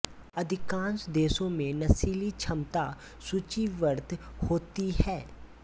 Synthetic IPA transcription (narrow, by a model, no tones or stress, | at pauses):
ɐd̪ʱɪkãːnsd̪eːsõmẽnɐsiːlit͡ʃʰɐmt̪a | sut͡ʃiʋəɾt̪hoːt̪iɦɛː